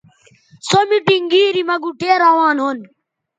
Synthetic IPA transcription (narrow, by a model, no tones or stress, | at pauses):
somiʈiŋɡiːɾiːmɐɡuːʈʰeːɾaːʋaːnɦon